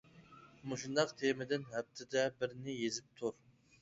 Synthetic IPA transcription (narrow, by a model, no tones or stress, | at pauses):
muʃund̪ɑqt̪ʰemɪd̪ɪnɦɛp̚t̪ʰɪd̪ɛbɪɾnɪjezɪp̚t̪ʰuɾ